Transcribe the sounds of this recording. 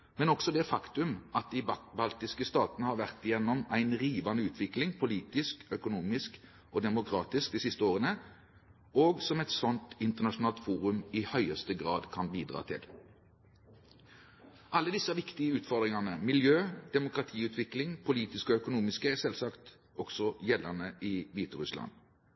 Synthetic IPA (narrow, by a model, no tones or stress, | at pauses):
mɛnɔksɔd̪ɛæfɑkt̪ʉmʔɑt̪̚d̪ɪbɑlt̪ɪskəst̪ɑːt̪nəhɑɾʋæʁt̪ɪjɛnːɔmæɪnʁiːʋɑnəʉːt̪ʰʋɪklɪŋpʰʊliːt̪ɪskœkʊnuːmɪsk | ɔd̪ɛmʊkʰɾɑːt̪ɪsk̚d̪iːsɪst̪əoːʁənə | oːɡsɔmɛt̪sɔnt̪ɪnt̪əʁnɑʂʊnɑːlt̪fuːʁʉmɪhœʏəst̪əɡʁɑːd̪kʰɑnbiːd̪ʁɑ̰ːt̪ʰɪ̰l | ʔɑlːəd̪ɪsəʋɪkt̪ɪəʉːt̪fɔʁd̪ʁɪŋɑnəmɪljøːd̪̥ɛmʊkɾʁɑt̪ʰiːʉːt̪ʰʋɪklɪŋpʰʊliːt̪ɪskɔœkʊnuːmɪskəɛsɛlsɑkt̪ | ɔɡ̥sɔjɛlːənəɪʋiːt̪əʁʉslɑ̰n